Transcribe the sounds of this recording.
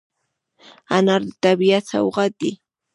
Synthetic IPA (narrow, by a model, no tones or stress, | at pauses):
anaɾd̪ɪt̪abiat͡sa̰wɢɑt̪ɪ